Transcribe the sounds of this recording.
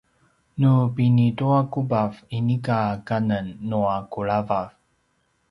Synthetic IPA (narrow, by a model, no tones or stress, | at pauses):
nupinituakubavinikakanənːuakuɭavav